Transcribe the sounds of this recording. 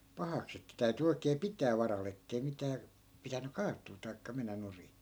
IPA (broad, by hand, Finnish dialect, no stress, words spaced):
pɑhɑks etːæ tæyty oikeː pitæː ʋɑrɑl etːei mitæː pitæny kɑːtˑuː tɑi̯kːɑ menːæ nuri